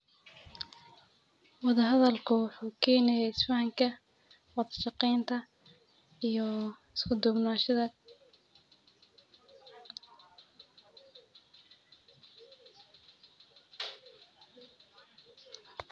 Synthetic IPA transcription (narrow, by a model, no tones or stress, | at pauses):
wɑðɐɦɐðɐlkʰʊwʊħuːkʰɛːnɛjɛɪsfaʕɑŋkʰɐ | wɑðɐʃɑqɛːnt̪ʰɐ | ijɔ | ɪskʰʊd̪ʊɡnaːʃɐðɐ